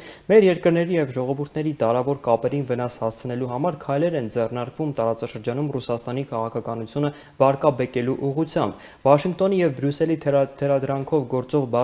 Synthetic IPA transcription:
mɛɾjɛɾkəɾnɛɾijɛvʒɔʁɔvuɾt̪ʰnɛɾid̪ɑɾɑvɔɾkɑpɛɾinvənɑshɑst͡sʰənɛluɦɑmɑɾkʰɑjlɛɾɛnd͡zɛrnɑɾkvumt̪ɑɾɑt͡sɑʃəɾd͡ʒɑnumrusɑst̪ɑnikʰɑʁɑkʰɑkɑnut͡sʰjunə | vɑɾkɑbɛkɛluʔuʁut͡sʰjɑmb̥ | vɑʃiŋk̚ʰt̪ɔnijɛvbɾjusɛlit̪ʰt̪ʰɛɾɑd̪ɾɑŋkʰɔvɡɔɾt͡sɔʁbɑ

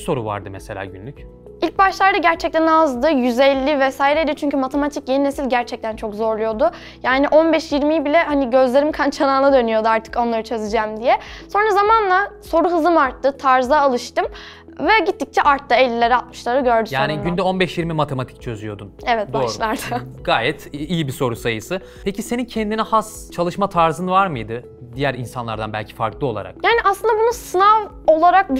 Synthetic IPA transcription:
so̞ɾṵva̰ɾd̪ɯmɛselʲa̰ːɟynlʲyc | ilʲc̚baʃlˠaɾd̪aɟæɾt͡ʃʰɛc̚t̪ʰænazd̪ɯjyzɛlʲːivɛsaːjiɾejd̪ijot͡ʃʰyɲcʰymat̪ʰe̞mat̪ʰicjeninesilʲɟæɾt͡ʃʰɛc̚t̪ʰænt͡ʃʰo̞kzo̞ɾlˠujo̞d̪ʊ | jaːniʔo̞nbɛʃjiɾmijibilʲɛhaniɟø̞zlʲe̞ɾimkʰant͡ʃʰanaːnˠad̪ø̞nyjo̞d̪uaɾt̪ʰɯ̥ko̞nlˠaɾɯt͡ʃʰø̞zɯd͡ʒamd̪ijɛso̞nɾazamanlˠaso̞ɾuɦɯzɯmaɾt̪ʰːɯt̪ʰaɾzaːlˠɯʃt̪ɯm | vɛɟit̪ːic̚t͡ʃʰɛʔaɾt̪ːaelʲːilʲe̞ɾiat̪̚mɯʃlˠaɾɯɟø̞ɾd̪yjaːniɟynd̪ɛo̞nbɛʃjiɾmimat̪ʰe̞mat̪ʰi̥c̚t͡ʃʰø̞zyjo̞d̪umevɛt̪d̪̚boaːɾʃlˠaɾd̪aɡ̥aːjɛt̪ijibiso̞ɾusajɯsɯ | pʰecise̞nincʰɛnd̪inɛhas | t͡ʃʰalˠɯʃmat̪ʰaɾzɯnɯvaɾmɯjd̪ɯ | d̪ijæɾinsanlˠa̰ɾd̪a̰nbælʲcʰi̥fa̰ɾklˠɯo̞lˠa̰ɾa̰k̚jaːniʔaslˠɯnd̪abunusɯnav | o̞lˠaɾak̚b

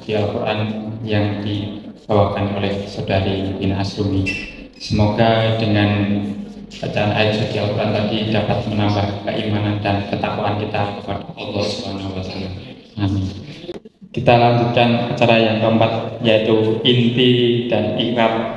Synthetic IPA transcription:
dialkuɾʔanjaŋdib̥awakanolɛhsadaɾiinasumi | səmoɡadəŋan | b̥at͡ʃaːnʔaɪsadialkuɾʔant̪adidapat̪̚mənambahkəʔimanandankət̪akuʔankit̪akəpadaɑlːɔhsubanawasalam | amin | kit̪alaɲd͡ʒut̪̚kanat͡ʃaɾajaŋt̪ampat̪̚jait̪uint̪id̥anikat̪̚

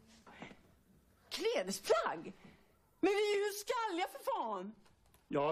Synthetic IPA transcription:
kʰleːd̪əspʰlaɡ | mɛnvɪhʉskalːjafœɾfɑːn | jɑ

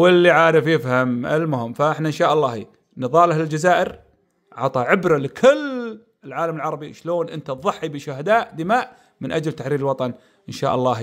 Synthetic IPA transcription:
wɪlːiʕaːɾɪfjɪfhamɪ̰lmʊɦɪmːfaʔɪħnaɪnʃaːʔɑlːɑːhḭ | nɨðˤɑːlʔahlɪld͡ʒazaːʔɪɾ | ʕɑt̪ˤɑʕɪbɾalɪkʰɪl | ɪlʕaːlamɪlʕɑɾˤɑbiʃloːnʔɪ̰nt̪aðˤɑħːibɪʃʊhad̪aːʔd̪ɪmaːʔ | mɪnʔad͡ʒlt̪aħɾiːɾɪlwɑt̪ˤɑn | ʔɪnʃa̰ːʔɑlˤːɑːh

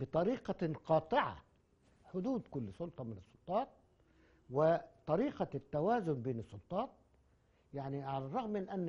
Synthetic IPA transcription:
bɪt̪ˤɑɾiːqɑqɑːt̪ˤɨʕa̰ | ħʊd̪uːd̪kʊlːsʊlt̪ˤɑmɪnɨsˤːʊlt̪ˤɑːt̪̚ | wɪt̪ˤɑɾiːqat̪ːawaːzʊnbeːnɨsˤːʊlt̪ˤɑːt̪̚ | jaʕniʕalarˤɑɣmːɪnʔanː

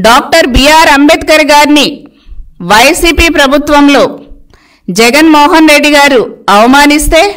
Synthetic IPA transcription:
ɖaːk̚ʈɐɾbijaːɾɐmbɛt̪kɐɾɡaːɾni | ʋɐjsiːpiːpɾɐbʱut̪ʋɐmlo̞ː | d͡ʒɛɡɐnmɔːɦɐnɾe̞ɖːiɡaːɾuɐʋɐmaːnist̪e̞ː

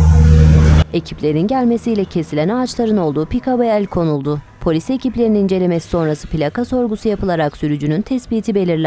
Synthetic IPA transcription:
e̞cʰiplʲe̞ɾinɟælʲme̞sijlʲɛcʰe̞silʲænaːt͡ʃlˠaɾɯno̞lˠd̪uːpikabeælʲkʰo̞nulˠd̪ʊ | pʰo̞lʲiseciplʲe̞ɾininind͡ʒe̞lʲe̞mesi̥so̞nɾasɯ̥pʰilʲakaso̞ɾɡusujapɯlˠaɾaksyɾyd͡ʒynynt̪ʰɛsbiːt̪ʰibe̞lʲiɾlʲæ

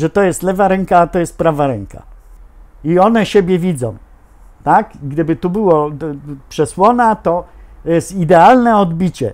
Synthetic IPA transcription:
ʐɛt̪ɔjɛst̪lɛvaɾɛŋkaːt̪ɔjɛst̪̚pɾavaɾɛŋkʰa̰ | iɔnɛɕebʲjɛvʲid̪zɔ̃w̃ | t̪aɡɡd̪ɘbɘt̪ubɘwɔpʂɛswɔnat̪ɔjɛst̪id̪ɛalnɛɔd̪bʲit͡ɕɛ̰

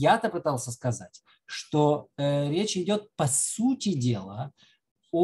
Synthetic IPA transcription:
jat̪əpɨt̪alˠsʲəskɐzatʲ | ʂt̪oɾʲet͡ɕɪdʲo̞t̪̚pɐsutʲɪdʲe̞lˠə | o

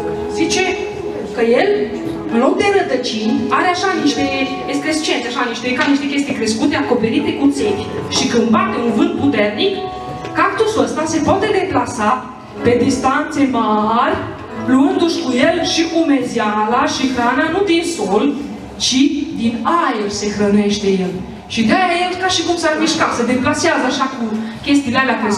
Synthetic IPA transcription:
zit͡ʃe̞ | kəje̞l | lo̞k̚d̪e̞ɾəd̪ət͡ʃinʲaɾeaʃaniʃt̪e | eskɾest͡ʃienseaʃaniʃt̪ekaniʃt̪ekʲe̞s̬t̪ijkɾe̞skut̪eako̞pe̞ɾit̪e̞kut̪sinʲʃikɨmbat̪ɨŋkuvɨnt̪̚put̪e̞rnik | kakt̪usəst̪ase̞poat̪e̞d̪e̞plasa | pe̞d̪ist̪ant̪se̞marʲ | luɨnd̪uʃkujelʃiʔume̞zjalaʃixɾananud̪insol | t͡ʃid̪inajelse̞xɾəne̞ʃt̪e̞jel | ʃid̪eaajelkaʃikumsarmiʃkat̪səd̪eplaseazəaʃakukʲe̞st̪ilealeakaɾe

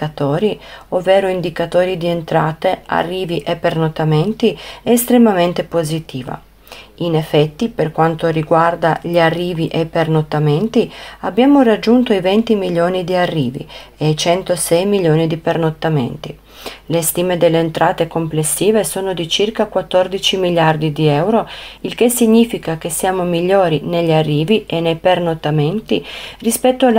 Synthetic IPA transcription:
at̪ɔːɾiovːeːɾoind̪ikat̪oːɾid̪ient̪ɾaːt̪ea̰rːiːviʔepːernot̪ːament̪iɛest̪ɾemament̪epozit̪iːva̰ | inefːɛt̪ːiperkwant̪oriɡward̪aʎiarːiːviʔejpernot̪ːament̪iabːjaːmorad͡ʒːunt̪oivɛnt̪imiljoːnid̪iarːiːvḭejt͡ʃɛnt̪osɛjmiʎːjoːnid̪ipernot̪ːamḛnt̪i | lest̪iːmed̪elːeːnt̪ɾʔaːt̪ekomplesːiːvesoːnod̪it͡ʃirkakwat̪ːɔrd̪it͡ʃimiʎːjard̪id̪iɛwɾoilk̟esiɲːiːfikak̟esːjaːmomiʎːoːɾineʎːarːiːviʔenːejpernot̪ːament̪irispɛt̪ːoa

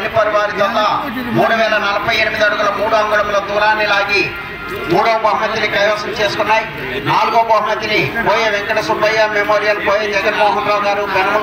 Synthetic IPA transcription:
nipɐɾuʋaːɾit̪ɐlːaː | muːɽuʋɛːlɐnɐlɐpɐjenimid̪iɐɽuɡulɐmuːɽuɐŋɡuɭɐmloːd̪uːɾaːnilaːɡi | muːɽɐɐbʱaːɦmɐd̪inikɐjoːsɐnt͡ʃe̞ːsukunːaːji | naːluɡoːbʱɐːɦmɐd̪inipoːjeːʋekːɐɽɐsubɐjaːmemoːɾijɐlpoːjeːd͡ʒɐɡɐnmoːɦɐnɾaːɡaːɾumɐnɐmɐ

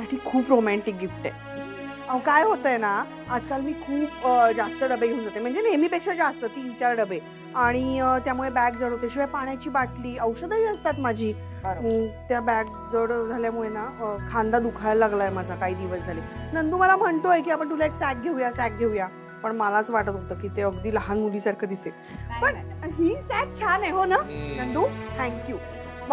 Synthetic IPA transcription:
t̪aʈʰiːkʰuːpɾomæɳʈik̚ɡifʈḛ | awkajɦot̪əjena | ad͡zkalmiːkʰuːpəd͡zast̪əɖəbeɡʱeũnd͡zat̪em̤əɳd͡zenajmiːpekɕad͡zast̪ət̪iːt͡ɕaɾɖəbe | aɽ̃it̪jamuɭebæk̚d͡zəɽɦot̪eɕiʋapaɳjat͡ɕiːbaʈliːəwʂəd̪əiːəst̪at̪mad͡ʑʱiː | ət̪jabæk̚ | d͡zəɽd͡zʱaljamuɭenakʰand̪ad̪ukʰalːaɡlajmad͡zʱakaɦiːd̪iʋəsd͡zʱalenənd̪uːməlam̤əɳt̪oek̬iːapəɳt̪̬ulaeksɛk̚ɡʱeujasæk̚ɡʱeuja | pəɳməlat͡sʋaʈət̪ɦot̪əːkiːt̪eəɡd̪iːləɦanmuliːsaɾkʰəd̪ise | pəɳɦiːsæk̚t͡ɕʰanaɦonanənd̪uːt̪ʰɛ̃ŋkjuː

